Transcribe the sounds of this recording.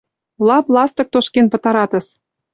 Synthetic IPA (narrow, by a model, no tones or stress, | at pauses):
lɑplɑst̪ɤ̆k̚t̪oʃkenpɤ̆t̪ɑɾɑt̪ə̆ʃ